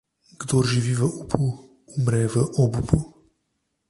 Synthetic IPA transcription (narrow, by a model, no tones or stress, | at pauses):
ɡd̪orʒiʋiʋəʔupʰu | umɾɛvəʔɔbupu